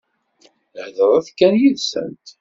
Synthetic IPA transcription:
hðəɾˤæθkːænjiðsə̰nt̪

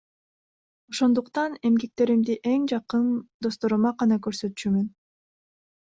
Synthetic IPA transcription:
o̞ʃo̞nd̪uqt̪ɑne̞mɡe̞k̚t̪e̞ɾimd̪iʔe̞ŋd͡ʒɑqɯnd̪o̞st̪o̞ɾumɑqɑnɑkø̞ɾsø̞t̪t͡ʃymyn

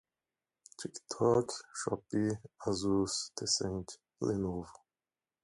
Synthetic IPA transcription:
tʰikt̪ʰɔkʃɔ̰piazusd̪esɛ̃nt | lenov

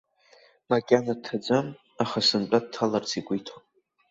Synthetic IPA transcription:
makʲʼanatʰːad͡zʷam | aχasɨnt͡pʼad̚tʰːalart͡sʰikʷʼijtʰop

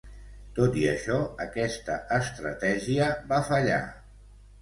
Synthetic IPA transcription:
t̪ot̪iəʃɔəkɛst̪əʔəst̪ɾə̰t̪ɛʒiəbafəʎa̰

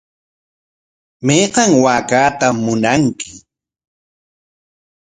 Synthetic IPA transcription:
mejqɑŋwaːkaːt̪amːʊnaŋkɪ

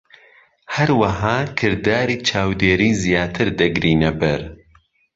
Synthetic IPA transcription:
hɐɾwɐɦaːkʰɨɾd̪aːɾiːt͡ʃʰaːwd̪eːɾiːzijaːt̪ʰɨɾd̪ɐɡɾiːnɐbɨɾ

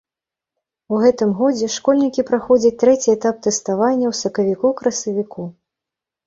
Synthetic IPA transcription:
wɣɛt̪ɨmɣɔd͡zʲɛʂkɔlʲnʲikʲipɾaxɔd͡zʲɐt͡sʲt̪ɾɛt͡sʲiɛt̪ap̚t̪ɛst̪avanʲːɐwsɐkɐvʲikɔwkɾɐsɐvʲiku

